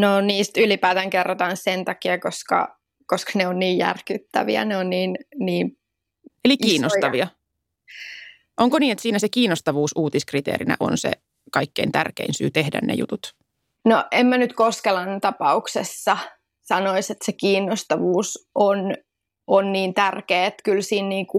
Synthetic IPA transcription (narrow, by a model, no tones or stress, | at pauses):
noniːst̪ylipæːt̪æŋkerːot̪ɑnsent̪ɑkiɑkoskɑ̰ | koskɑ̥neonniːjjæ̰rkyt̪ːæ̰ʋḭæ̰neonniːnniːm | elikiːnːot̪ɑʋiɑ | ʔoŋkoniːnet̪siːnæsekiːnost̪ɑʋuːsʔuːt̪iskrit̪ḛːɾinæ̰ʔo̰nsḛ | kɑikːeint̪ærkḛinsy̰ːt̪ehdæ̰nnḛjṵt̪ut̪ | noʔemmænyt̪koskelɑnt̪ɑpɑuksesːɑ | sɑnoiset̪sekiːnːost̪ɑʋuːson | onniːnt̪ærkeːet̪kylsiːnniːŋku